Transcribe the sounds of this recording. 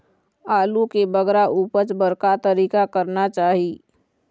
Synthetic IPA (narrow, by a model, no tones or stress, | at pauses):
aːlukebəɡɾaʔuːpəɾt͡ʃbəɾkat̪əɾiːkakəɾnat͡ʃaːɦiː